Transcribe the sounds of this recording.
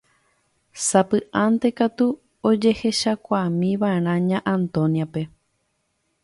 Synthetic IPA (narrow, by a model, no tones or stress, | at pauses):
sapɨʔãnt̪e̞kat̪u | od͡ʒe̞he̞ʃakʷamĩʋaeɾ̃ãɲãʔãnt̪õ̞njape̞